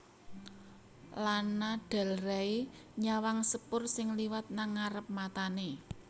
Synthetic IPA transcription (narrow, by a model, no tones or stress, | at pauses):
lanaɖ̥a̤lraiɲawaŋsəpʊrsɪŋliwat̪̚naŋaɾəp̚mat̪ane